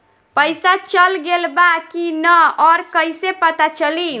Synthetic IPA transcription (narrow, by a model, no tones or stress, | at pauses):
pəjsat͡ʃəlɡelbakinəɔɾkəjsepət̪at͡ʃəli